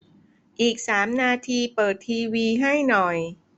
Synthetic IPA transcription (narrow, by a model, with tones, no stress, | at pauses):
ʔiː˨˩k̚saː˩˦mnaː˧t̪ʰiː˧pɤː˨˩t̪ʰːiː˧wiː˧ɦa˥˩jnɔ˨˩j